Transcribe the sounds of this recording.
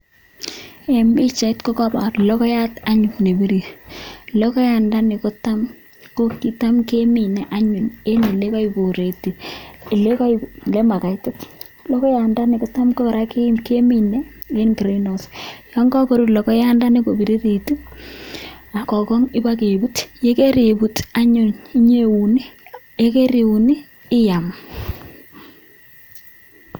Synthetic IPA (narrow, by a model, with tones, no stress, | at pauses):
e˨mi˦t͡ʃa˨i˦tko˦kɔ˦ba˨tlɔ˦kɔ˦ja˦ta˦ɲu˨mne˨bi˦ɾi˨lɔ˦kɔ˦ja˨nda˦ne˨ko˦ta˦m | ko˦ki˦ta˦mke˦mi˨nɛ˨ʔa˦ɲu˨ne˦ne˨le˦ka˦ibo˨ɾe˨ti˨e˨le˦ka˦ile˦ma˨ka˨tɪ˦t | lɔ˦kɔ˦ja˨nda˦ni˨ko˨ta˦mko˦ba˨ɾa˦ke˦mke˦mi˨nɛ˦ | e˦nkɾi˦no˨sjɔ˦ŋɡɔ˦ko˨ɾu˦tlɔ˨kɔ˦ja˦nda˦ni˦ko˨bi˨ɾi˦ɾi˨tu˦ | a˨kɔ˨kɔ˦ŋɪ˦ba˦k̬e˨bu˦tje˦ke˦ɾe˨bu˨ta˦ɲʊ˨ni˦ɲe˦wu˨ni˦je˦ke˦ɾi˨wu˨niː˦ | ja˨m